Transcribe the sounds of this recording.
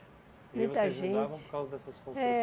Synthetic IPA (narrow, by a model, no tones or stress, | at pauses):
mũj̃t̪ɐʒẽṽt͡ʃɪɾkawzɐd̪ɛsɐsõɛ